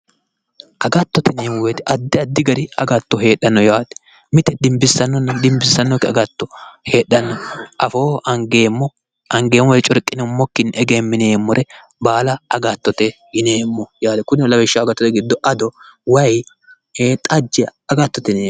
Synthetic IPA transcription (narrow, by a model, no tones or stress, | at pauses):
ʔɐɡɐt̪ːɔt̪ɪneːmwet̪ɛʔɐd̪ːɪɐd̪ːɪɡɐɾɪɐɡɐt̪ːɔɦeːɗːɐnːɔjaːd̪ɛ̥ | mɪt̪ɛd̪ɪmbɪsːɐnːɔnːɐd̪ɪmbɪsːɐnːɔkːɛɐɡɐt̪ːɔheːɗːɐnːɔʔɐfoːʔɐŋɡe̞ːmːɔ | ʔɐŋɡe̞ːmːɔjt͡ʃʼɔɾkʼːɪnɛmːɔkːɪnɛɡeːmːɪneːmːɔɾɛ | baːlɐɐɡat̪ːɔt̪ɛ | ɡɪneːmːɔjaːd̪ɛkʊnlɐbɛʃːɐɐɡɐt̪ːɔt̪ɛɡɪd̪ːɔʔɐd̪ɔwɐj | t̪ʼɐd͡ʒːɛɐɡɐt̪ːɔt̪ɪneːm